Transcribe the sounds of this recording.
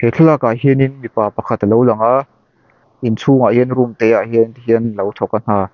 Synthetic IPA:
keɬʰəlaːkaʔɦininmipaːpɐkʰat̪alowlɐŋa | ʔint͡sʰuŋahiənrumt̪ɛjaʔhiənt̪iɦiənlɐwt̪ʰɔkːan̥aː

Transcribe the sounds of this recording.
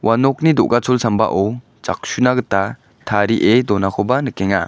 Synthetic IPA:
wʔanɔk̚nidɔʔɡat͡sʰulsamba̰ʔɔw | t͡ʃa̰k̚sunaɡəta | tʰaɾiʔedɔnakʰɔbanɯkeŋa

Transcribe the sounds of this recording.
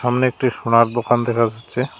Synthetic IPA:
amneek̚ʈiʃonaɾd̪okand̪ɛkʰad͡ʑatːɕʰe

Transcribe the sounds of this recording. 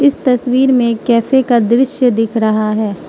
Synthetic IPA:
ɪst̪ɐswiːɾmẽkɛːfʰekad̪ɾɪʃjəd̪ɪkʰɾɐɦaɦɛː

